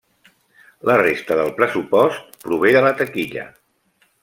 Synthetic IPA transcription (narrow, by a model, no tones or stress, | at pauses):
lərest̪əðəlˠpɾəsupɔst̪pɾuβ̞eðələt̪əkiʎə̰